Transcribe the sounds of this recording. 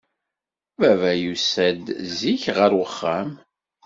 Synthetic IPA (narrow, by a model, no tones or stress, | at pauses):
vævæjusæd̪ziçʁəɾwəχːæm